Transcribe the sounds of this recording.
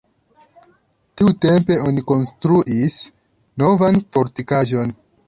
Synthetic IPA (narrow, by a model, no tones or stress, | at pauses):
tiute̞mpe̞o̞niko̞nstɾuʔis | no̞vanfo̞ɾtikaʒo̞n